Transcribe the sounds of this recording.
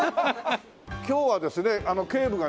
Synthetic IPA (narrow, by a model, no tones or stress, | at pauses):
kʲo̞ːβad̪e̞sɨne̞ano̞ke̞ːbɯ̟ɡa